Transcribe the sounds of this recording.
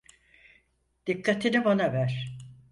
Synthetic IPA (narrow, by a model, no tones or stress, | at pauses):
d̪̥ikːat̪ʰinibanavæɾ̥